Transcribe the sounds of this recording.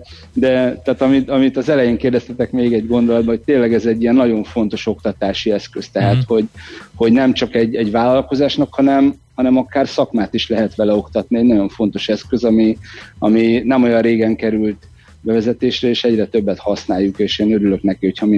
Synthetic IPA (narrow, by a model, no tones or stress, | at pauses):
d̪ɛt̪aːt̪ɒmit̪ɒmit̪ɒzɛlɛjeːŋkeːrd̪ɛst̪ɛt̪ɛkmeːɡɛɟɡo̞nd̪o̞lɒd̪̚bɒɦoc̚t̪eːlɛɡɛzɛɟːijɛnːɒɟo̞ɱfo̞n̪t̪o̞ʃo̞kt̪ɒt̪aːʃiɛskøst̪ɛɦat̪ho̞ɟho̞ɟnɛmt͡ʃɒkɛɟːɛɟvaːlːɒlko̞zaːʃnɒkhɒnɛmhɒnɛmɒkaːrsɒkmaːt̪iʃlɛɦɛt̪ʋɛlɛo̞kt̪ɒt̪niɛɟnɒɟo̞ɱfo̞n̪t̪o̞ʃɛskø̞zɒmiɒminɛmo̞jɒnreːɡɛŋkɛɾylt̪ | bɛvɛzɛt̪eːʃrɛeːʃɛɟrɛt̪øbːɛt̪hɒsnaːjːukeːʃeːnøɾylø̞knɛkiho̞chɒmi